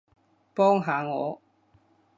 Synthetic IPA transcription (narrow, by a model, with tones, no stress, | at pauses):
pɔ˦ŋɦa˨˦ŋɔ̰˨˦